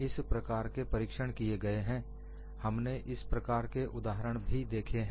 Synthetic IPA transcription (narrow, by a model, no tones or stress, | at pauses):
ɪspɾɐkaːɾkepɐɾikʃəɽ̃kieɡɐeɦɛ̃ː | hɐmneʔɪspɾɐkaːɾkeʔʊd̪aːɦəɾəɽ̃bʱid̪eːkʰeɦɛ̃